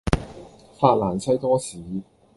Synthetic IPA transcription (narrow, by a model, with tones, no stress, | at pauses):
faː˧t̚laː˨˩nsʰɐ˥jt̪ɔː˥siː˨˦